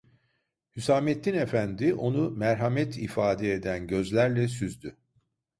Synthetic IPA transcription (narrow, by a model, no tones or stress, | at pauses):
hysaːmet̪ːine̞fænd̪iʔo̞numæɾɦamɛt̪ʰifaːd̪ɛed̪ænɟø̞zlʲæɾlʲɛs̬yzd̪y